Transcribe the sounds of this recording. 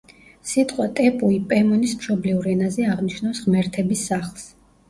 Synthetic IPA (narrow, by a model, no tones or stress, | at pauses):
sit̪ʼqʼwat̪ʼɛpʼuipʼɛmɔnismʃɔbliuɾɛnazɛaʁniʃnɔwsʁmɛɾt̪ʰɛbisːaχlˠs